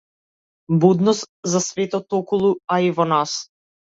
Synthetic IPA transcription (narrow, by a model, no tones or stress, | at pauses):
bud̪nɔst̪zasvɛt̪ɔt̪ɔkulˠuaivɔnas